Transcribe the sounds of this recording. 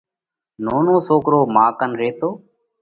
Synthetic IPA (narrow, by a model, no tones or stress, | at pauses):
noːnõːsoːkɾoːmaːkənɾeːt̪oː